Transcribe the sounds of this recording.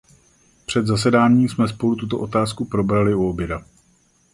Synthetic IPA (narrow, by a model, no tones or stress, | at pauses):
pr̝̥ɛd̪zasɛdaːɲiːsmɛs̬po̞lut̪ut̪o̞ʔo̞t̪aːskupɾo̞bɾalɪuobjɛda